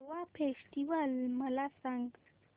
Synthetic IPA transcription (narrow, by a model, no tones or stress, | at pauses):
wapʰesʈiwalməlasaŋɡ